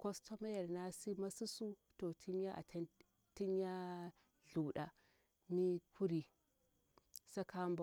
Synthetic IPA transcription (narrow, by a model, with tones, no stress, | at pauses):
ko˦sto˦ma˦ja˨ɾna˦si˦ma˦su˦su˦to˨tʰi˦nja˦ʔa̰˨tʰa˦n | ti˦nja˦ | ɮu˨ɗa˨ | mi˦kʰu˦ɾi˨ | sa˦ka˦mba˨